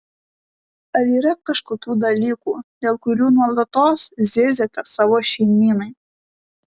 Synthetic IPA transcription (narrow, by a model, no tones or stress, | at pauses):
ɐlʲiːɾɐkɐʃkʊt̪ʲuːd̪ɐlʲiːkuːd̪ʲeːlˠkʊɾʲuːnuɔlˠɐt̪oːszʲezʲɛt̪ɐsɑʋoːʃʲɛɪmʲiːnɐɪ